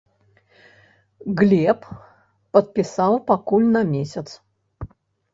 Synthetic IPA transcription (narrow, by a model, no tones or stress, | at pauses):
ɣlʲɛpː | ɐt̪̚pʲɪsawpakulʲnɐmʲesʲɐt̪s